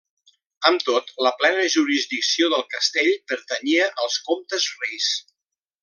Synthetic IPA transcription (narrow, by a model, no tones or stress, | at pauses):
əmt̪ot̪ləplɛnəʒuɾizdiksioðəlˠkəst̪eʎpəɾt̪əɲiəʔəlˠskomt̪əzrejs